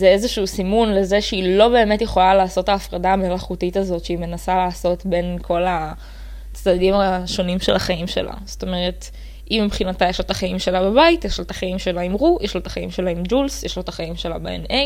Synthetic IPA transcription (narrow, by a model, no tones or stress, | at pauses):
zeezeʃuusimunle̞zeʃeilo̞be̞ːme̞tjeχo̞lalaːso̞taːfʁadaːmelaχutitazo̞tʃeime̞nasalaːso̞tbe̞nkʰo̞la | t͡sd̪adimaʃo̞nimʃḛlaχaimʃe̞̰la̰z̥o̥to̞meʁe̞t | ʔimːipχinatajeʃlot̪aχaimʃe̞lababaitjeʃlotaχaimʃe̞laimʁujʔeʃlot̪ḁχaḭmʃe̞laimd͡ʒulsjeʃlot̪aχajimʃela̰bḛḛne